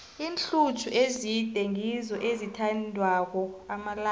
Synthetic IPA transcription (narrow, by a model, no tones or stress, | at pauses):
iːnɬut͡ʃʰuʔezid̥ʱɛŋizɔʔezitʰandʱwak̬ɔamala